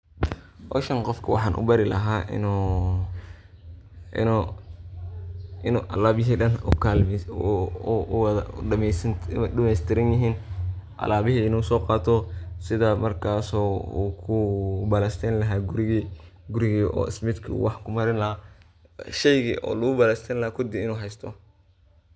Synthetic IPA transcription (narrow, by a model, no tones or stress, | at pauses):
hɔ̰ʃɐnqɔfkʰɐwɑ̰ħɑ̰ːnʔʊ̰bɐɾɪlɐ̰ɦaːʔɪ̰n | ɪ | ɪnuʔɐlaːβɪɦiːɗɐn̰kʰal | mɛsɗɐmɛjst̪ʰɪɾɪnjɪɦiːn | ʔɐ̰laːβɪɦiɪnuːsɔːqɑːt̪ʰɔsɪðamɐrkʰaːsɔːṵːkʰʊbɐlɛst̪ʰɛnlɐɦaːɡʊɾɪɣi | ɡʊɾɪɣiːʔɔ̰ːɪ̰smɪd̪kʰɐṵːwɑħkʰʊmɐɾɪnlɐɦaː | ʃɛjɣiːʔɔ̰ːlʊɣʊbɐlɛst̪ʰɛnlɐhaːkʰʊd̪iɪnuːɦɛjst̪ʰɔ̰